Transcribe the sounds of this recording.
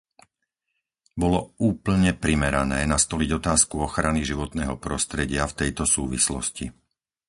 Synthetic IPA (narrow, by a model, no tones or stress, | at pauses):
bɔlɔuːpl̩ɲɛpɾimɛɾanɛːnast̪ɔliɟɔt̪aːskuɔxɾaniʒiʋɔt̪nɛːɦɔpɾɔst̪ɾɛɟɪaft̪ɛjt̪ɔsuːʋḭslɔ̰sci